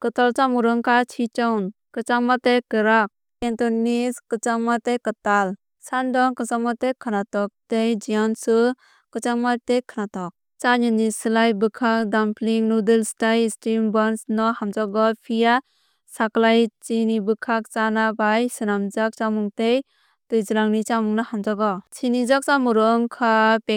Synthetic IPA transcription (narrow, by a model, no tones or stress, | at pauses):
kɯtalt͡ʃamuɾɯŋkat͡ʃʰit͡ʃawn | kɯt͡ʃaŋmatejkɯɾak̚ | entɔniskɯt͡ʃaŋmatejkɯtal | sandɔŋkɯt͡ʃaŋmatekʰɯnatɔk̚tejd͡ʒijɔnsɯ | kɯt͡ʃaŋmatekʰɯnatɔk̚ | t͡ʃaɲɯnisɯlajbɯkʰak̚dampʰliŋnudɯlstajstɾimbɔnsnɔhamd͡ʒɔɡɔpʰija | saklajt͡ʃinibɯkʰak̚t͡ʃanabajsɯnamd͡ʒak̚t͡ʃamuŋtej | tɯjzɯlaŋnit͡ʃamuŋnɔhamd͡ʒɔɡɔt͡ʃʰinizɔk̚t͡ʃamuɾɯŋkʰape